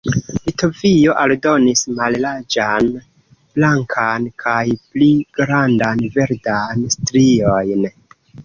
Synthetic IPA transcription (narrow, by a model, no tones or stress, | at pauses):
lito̞vio̞ʔaldo̞nismallad͡ʒan | blaŋkʰankʰajpliɡ̥ɾandanve̞ɾdanstɾio̞jn